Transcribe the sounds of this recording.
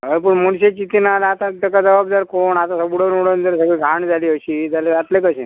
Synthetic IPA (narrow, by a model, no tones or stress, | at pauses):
ɦəjpəɳmuɳɕet͡ɕit̪inalaat̪ãd̪əkad͡zəʋabd̪aɾkoɳat̪asəbɽənuɽənd̪əɾsəɡɭiɡʱaɳd͡zʱaliːəɕiːd͡zaleʋat̪lekəɕẽ